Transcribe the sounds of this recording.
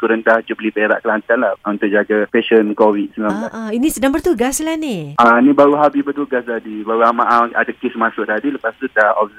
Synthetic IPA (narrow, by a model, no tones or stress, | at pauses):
kuɾəndahd͡ʒublipeɾa̰ʔkəlant̪anlahunt̪ʊʔ̚d͡ʒaɡapɛʃənkowit̪̚səŋamaʔinisədaŋbərt̪uɡaslanianibaɾuɦabibərt̪uɡast̪adibaɾuamaʔaa̰dakɪsmasʊʔ̚t̪adiləpast̪udahɔf